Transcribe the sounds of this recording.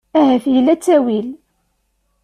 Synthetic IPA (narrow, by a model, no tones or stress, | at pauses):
æhæfjəlːæt͡sːæwil